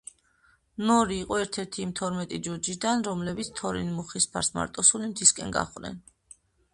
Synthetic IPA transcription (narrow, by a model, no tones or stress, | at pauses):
nɔɾiːqʼɔɛɾt̪ʰɛɾt̪ʰiːmt̪ʰɔɾmɛt̪ʼid͡ʒɔɾd͡ʒid̪anɾɔmlɛbit̪sʰt̪ʰɔɾḭnmuχispʰa̰ɾsma̰ɾt̪ʼɔsulimt̪ʰiskʼɛ̰nɡa̰χʼnɛ̰n